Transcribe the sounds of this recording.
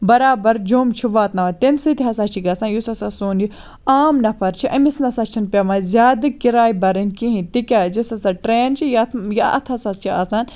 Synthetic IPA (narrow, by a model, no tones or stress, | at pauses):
bɐɾaːbɐɾd͡ʒoːmt͡ʃʰiʋaːt̪nɐʋɐt̪emsɨt̪iɦɐsaːt͡ʃʰiɡɐsãːnjusɐsasoːnd͡ʒi | aːmnɐpʰɐɾt͡ʃʰiʔɐmisnɐsaːt͡ʃʰinpʲɐmãzʲaːd̪ɨkiɾaːjbɐɾɨnkĩɦĩt̪ikʲaːzusɐsaʈɾeːnt͡ʃʰijɐtjaʔɐ̰t̪ʰɐsɐst͡ʃʰiaːsaːn